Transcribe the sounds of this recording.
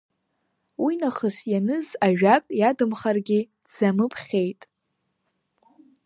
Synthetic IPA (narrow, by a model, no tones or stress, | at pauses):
winaχəsjanɨzaʒᶣakʼjadɨmχarɡʲi | z̥amɨpʰχʲe̞jtʼ